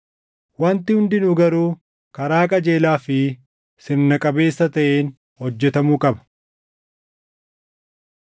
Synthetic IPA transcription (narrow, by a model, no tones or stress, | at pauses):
wɐnt̪ɪhʊnd̪ɪnʊɡɐɾuː | kɐɾaːkʼɐd͡ʒe̞ːlaːfɪ | sɪɾnɐkʼɐbe̞ːsːɐt̪ɐʔeːn | hɔd͡ʒːɛt̪ɐmuːkʼɐbɐ̥